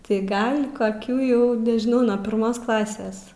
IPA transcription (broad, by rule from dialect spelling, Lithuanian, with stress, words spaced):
tɐɪ ˈɡɐlʲ koːˈkʲuː ˈjɛʊ nʲɛʒʲɪˈnɐʊ nuɔ pʲɪrˈmoːs ˈklˠɑːsʲeːs